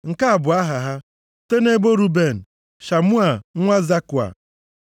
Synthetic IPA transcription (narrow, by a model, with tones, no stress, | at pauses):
ŋ̩˨ka˦a˨bʊ˨a˦ɦa˨ɦa˦ | te˦ne˦bo˦ɾu˦be˦˨n̩˨ | ʃa˨mʊ˦a˨˦ŋʷa˦za˦kʊ˨a̰˨